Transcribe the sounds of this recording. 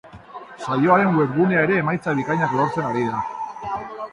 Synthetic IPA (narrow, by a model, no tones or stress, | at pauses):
sajo̞aɾe̞nwweɾɣune̞ae̞ɾe̞ːmajt͡saβ̞ikajɲakloɾt͡se̞naɾiða